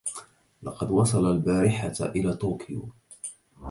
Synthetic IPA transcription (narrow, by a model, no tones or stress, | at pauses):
lɑqɑd̪wɑsˤɑlalbaːɾɪħa̰ʔɪlaːt̪oːkʰɪjo̰ː